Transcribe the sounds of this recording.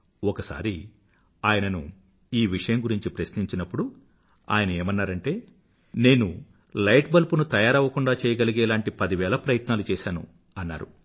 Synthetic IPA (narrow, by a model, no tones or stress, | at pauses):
ɔkɐsa̰ːɾi | aːjɐnɐnṵ | iːʋiʂɐjɐŋɡuɾiɲt͡ʃipɾɐsniɲt͡ʃinɐpːuɽu | a̰ːjɐnɐeːmɐnːaːɾɐɳʈe̞ː | ne̞ːnu | lɐjʈbɐlpunut̪ɐjaːɾɐʋːɐkuɳɖaːt͡ʃɛːjɐɡɐliɡɛːlaːɳʈipɐd̪iʋɛːlɐpɾɐjɐt̪naːlut͡ʃɛːʃaːnṵ | ɐnːa̰ːɾṵ